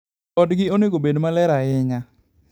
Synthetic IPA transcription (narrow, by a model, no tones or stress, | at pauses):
ɔdɡɪonɪɡobedmalɛɾaɪŋa